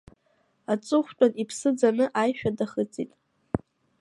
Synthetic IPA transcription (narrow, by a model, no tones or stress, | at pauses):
at͡sʼʊχʷt͡pʼanipʰsɨd͡zanɨʔajʃᶣadaχət͡sʼḭtʼ